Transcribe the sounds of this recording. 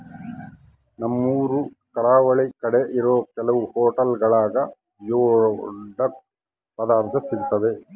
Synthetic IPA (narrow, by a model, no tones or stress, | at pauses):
nɐmːuːɾu | kɐɾaːʋɐɭikɐɽeʔiɾoːkɛlɐʋuhoːʈɐlɡɐɭaːɡɐ | joːɖɐk̚ | pɐd̪aːɾt̪ʰɐsiɾut̪ːɐd̪e